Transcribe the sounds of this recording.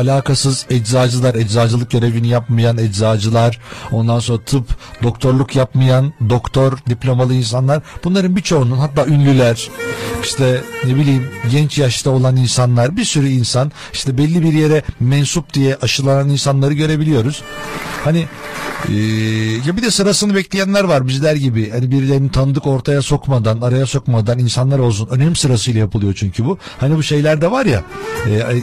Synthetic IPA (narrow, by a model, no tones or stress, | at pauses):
alʲaːkʰasɯzɛd͡ʒzaːd͡ʒɯlˠaɾɛd͡ʒzaːd͡ʒɯlˠɯk̚ɟø̞ɾe̞vinijapmajanɛd͡ʒzaːd͡ʒɯlˠaɾ̥o̞nd̪anso̞nɾat̪ʰɯpd̪o̞kt̪ʰo̞ɾlˠukʰjapmajand̪o̞kt̪ʰo̞ɾd̪iplʲo̞malˠɯins̬anlˠaɾb̥unlˠaɾɯnbit͡ʃʰo̞ununɦat̪ːaːynlʲylʲæɾ̥iʃt̪ʰɛnebilʲijmɟɛnt͡ʃjaʃt̪ʰao̞lˠaninsanlˠaɾbiɾsyɾyinsan | i̥ʃt̪ʰɛbɛlʲːibiɾje̞ɾɛmɛnsup̚d̪ijɛʔaʃɯlˠananinsanlˠaɾɯɟø̞ɾe̞bilʲijo̞ɾuz̥hanɪ | ɛːjabid̪ɛsɯɾasɯnɯbɛclʲijænlʲæɾvaɾbizlʲæɾɟibɪhanibiɾlʲeɾinit̪ʰanɯd̪ɯko̞ɾt̪ʰajaso̞kmad̪anaɾajaso̞kmad̪aninsanlˠaɾo̞lˠs̬unø̞nɛmisɯɾasɯjlˠajapʰɯlˠɯjo̞t͡ʃʰyɲcʰybu | hanibuʃe̞jlʲæɾd̪ɛvaɾja̰ɛː